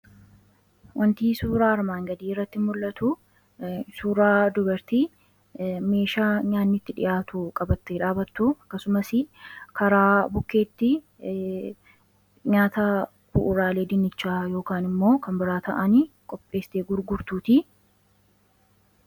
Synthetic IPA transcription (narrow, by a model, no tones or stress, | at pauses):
wʔɐnt̪iːsuːɾaːɐɾmaːŋɡɐd̪iːrːɐt̪ːɪmʊlːɐt̪ʊ | suːɾaːd̪ʊbɐɾt̪iː | me̞ːʃaːɲaːnːɪt̪ːɪᶑɪ̰jʔaːt̪ukʼɐbɐt̪ːeːᶑaːbɐt̪ːuɐkːɐsʊmɐsɪkɐɾaːbʊkːe̞ːt̪ːɪ | ɲaːt̪ɐ | bʊ̰ʔʊɾaːle̞ːd̪ɪnːɪt͡ʃːaːjo̞ːkaːnɪmːo̞ːkɐmbɪɾaːt̪ɐʔɐni | kʼɔpʼːe̞ːst̪eːɡʊɾɡʊɾt̪uːt̪i